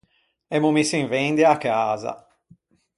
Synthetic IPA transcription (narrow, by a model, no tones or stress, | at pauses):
ɛmumisiɱvend̪iakːaːza̰